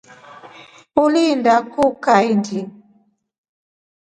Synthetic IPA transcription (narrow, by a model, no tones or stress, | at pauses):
ulindakukaindi